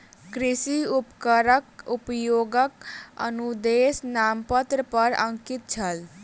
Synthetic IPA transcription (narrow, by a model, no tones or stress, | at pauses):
kɾisiupkəɾəkupjoɡəkə̰nud̪esnampət̪ɾəpəɾə̃ŋkit̪̚t͡ʃʰəl